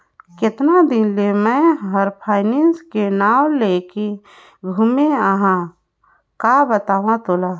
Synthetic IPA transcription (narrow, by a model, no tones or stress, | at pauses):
kɪt̪nad̪ɪnlemɛ̃ɦəɾpʰaːɪnenskenaːwleke | ɡʱumeəɦã | kaːbət̪aːʋãt̪olaː